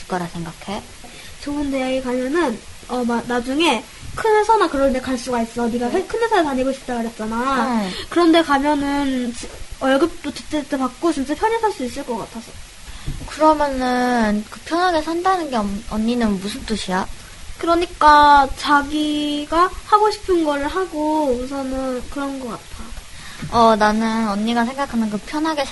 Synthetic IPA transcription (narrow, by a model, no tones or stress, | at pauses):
k͈ʌɾasʰe̞ŋɡakʰe̞ | t͡ɕoɯnte̞jaɡekamjʌnɯnʌmanad͡ʑuŋe̞ | kʰɯnɦe̞sʰʌnakɯɾʌntekʰaɭs͈uɡais͈ʌniɡasekʰɯnɦe̞sʰʌepaɲiɡoɕʰi̥p̚t͈aɡɯɾɦe̞t̚t͡ɕ͈anakɯɾʌnde̞kamjʌnɯnt͡ɕʌɭɡɯp̚t͈otɯt͈ʰet͈ʰepak̚k͈ot͡ɕint͡ɕ͈apʰjʌɲisʰaɭs͈uis͈ɯɭk͈ʌk͈atʰasʰʌ | kɯɾʌmjʌnɯnkɯpʰjʌnɦaɡe̞sʰʌɦandanɯnɡe̞ʌmʌnːinɯnmusʰɯnt͈oɕʰia | kɯɾʌɲik͈at͡ɕaɡiɡahaɡoɕʰi̥pʰɯnɡʌɾɯɭɦaɡousʰʌnɯnkɯɾʌnɡʌk͈atʰa | ʌnanɯnʌɲːiɡasʰe̞ŋɡakʰanɯnkɯpʰjʌnɦaɡesʰ